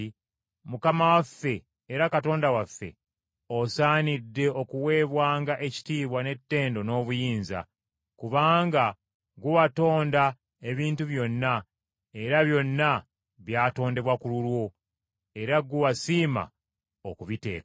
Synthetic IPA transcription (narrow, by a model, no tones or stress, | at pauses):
mukamawafːe̞ː | ɾakato̞ːndawafːe̞̰ | osaːnidːe̞o̞kuwe̞ːβwaːŋɡaʔe̞ci̥tiːβwane̞tːe̞ːndo̞no̞ːβujiːnza̰ | kuβaːŋɡa | ɡuwato̞ːnda | e̞βiːntuβjo̞nːa | e̞ɾaβjo̞nːa | βjaːto̞ːnde̞βwakululwo̞ | e̞ɾaɡuwasiːma̰ | okuβite̞̰ːka